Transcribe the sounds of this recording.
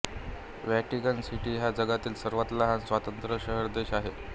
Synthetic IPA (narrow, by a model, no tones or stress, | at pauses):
ʋæʈikənsiʈiːɦjad͡zəɡat̪iːlsəɾʋət̪ləɦansʋat̪ənt̪ɾəɕəɦəɾd̪eɕaɦe